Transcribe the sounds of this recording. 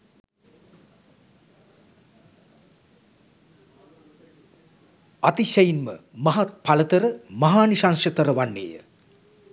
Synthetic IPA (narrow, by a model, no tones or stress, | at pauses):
at̪iʃɐjinmə̰mɐɦat̪̚palət̪əɾəmɐɦaːnisanʃət̪əɾəʋanːḛːjə̰